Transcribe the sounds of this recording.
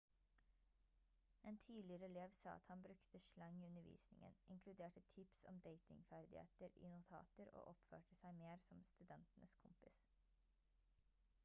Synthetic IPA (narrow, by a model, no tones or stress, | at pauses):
eːnt̪ʰiːlɪəɾəɛleːʋsɑ̰ːɑ̰t̪hɑnbɾʉkt̪əʃlɑŋiːʉnəʋḭːsnɪŋə̰nʔɪŋkʰlʉd̪eːʈət̪ʰɪpsɔ̰md̪eɪt̪ɪ̰ŋfæɾd̪ɪhḛːt̪əɾḭːnʊt̪ʰɑ̰ːt̪əɾo̰ːʔɔpfø̰ːʈəsæɪmeːɾsɔmst̪ʉd̪ɛnt̪nəskʰʊmpɪs